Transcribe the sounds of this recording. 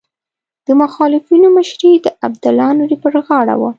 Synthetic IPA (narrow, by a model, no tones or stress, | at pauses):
d̪̥əmʊxɑlɪfinoməʃɾid̪əʔab̚d̪alɑnoɾipəɾɣɑɽa̰wa